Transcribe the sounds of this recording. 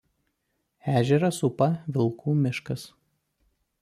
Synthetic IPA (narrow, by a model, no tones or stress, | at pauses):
æːʒʲɛɾɐsʊpɐʋʲɪlˠˑkʰuːmʲɪʃkɐs